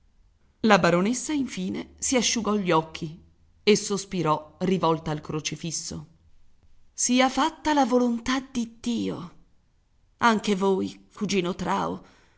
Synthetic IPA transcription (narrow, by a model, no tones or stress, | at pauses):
labaɾonesːaiɱfiːnesiaʃːuɡɔʎːɔkʰːi | esːospiɾɔrivɔlt̪aːlkɾot͡ʃifisːo̰ | siːafat̪ːalavolont̪ad̪id̪iːo | aŋkevoːjkud͡ʒiːnot̪ɾaːo̰